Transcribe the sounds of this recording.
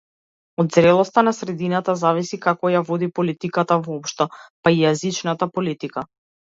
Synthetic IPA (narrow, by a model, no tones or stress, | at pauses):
ɔd̪zɾɛlˠɔst̪anasɾɛd̪inat̪azavisikakɔjavɔd̪ipɔlit̪ikat̪avɔpʃt̪ɔpaijazit͡ʃnat̪apɔlit̪ika